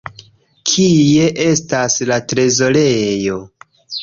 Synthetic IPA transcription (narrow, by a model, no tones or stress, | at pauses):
kʰie̞ʔe̞staslatɾe̞zo̞le̞jo̞